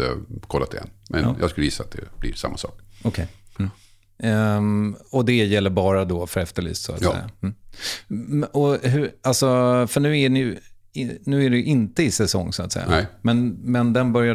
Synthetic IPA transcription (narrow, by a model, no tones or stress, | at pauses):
ə̰kʰɔlːat̪ʰɪɛ̰nːmʔɛ̰n̰jɑ̰ːɡskɵlːəjɪsːa̰t̪̚d̪ɛ̰b̥lɪɾʂa̰mːasɑ̰ːkɔkʰɛj | ɔd̪ɛjɛlːəɾbɑːɾad̪ɔfœɾɛft̪əɭy̰ːst̪sʊ̰a̰t̪sɛ̰jːa̰ | ɔɦɵɾalsɔfœɳʉ̟ːænɪj | ɪnʉ̟ːæɖɛjɵʔɪnt̪əɪsɛsɔ̰ŋːsʊat̪sɛ̰jaaɛmɛnmɛnd̪ɛnbœɾja